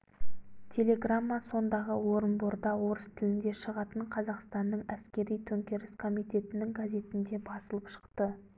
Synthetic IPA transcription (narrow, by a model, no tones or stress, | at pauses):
t̪ʲʰe̞le̞ɡramːaso̞nd̪ɑʁəwo̞ɾənboɾd̪ɑwo̞ɾəst̪ʰɪlɪnd̪e̞ʃəʁɑt̪əɴqʰɑzɑqst̪ɑnːəɴæskʲe̞ɾijt̪ʰɵŋkʲe̞ɾɪskʰo̞mijt̪ʲe̞t̪ɪnɪŋɡazʲe̞t̪ɪnd̪e̞bɑsəlˠəpʃə̥qt̪ə